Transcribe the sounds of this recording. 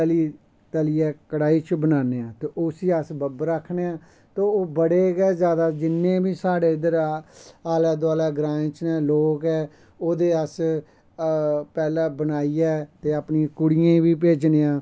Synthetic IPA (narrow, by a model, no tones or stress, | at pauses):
əliː | t̪əliːɛːkəɽaːiːt͡ʃbənaːneːãːt̪eːʔosiːəsbəbɾəkʰːneːãː | t̪oːoːbəɽeːɡɛːzjaːd̪aːd͡ʒɪnːẽːbiːsaːɽeːɪd̪əɾaaːlɛːd̪aːlɛːɡɾãːt͡ʃnɛ̃ːloːkɛː | oːd̪eːəs | pɛːlãːbənaːiːɛːt̪eːəpniãːkʊɽijãːbiːp̬eːd͡ʒneːãː